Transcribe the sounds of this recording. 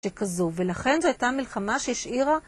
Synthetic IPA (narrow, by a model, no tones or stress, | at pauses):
ekazuve̞laχe̞nzoajtamilχamaʃeiʃʔiʁa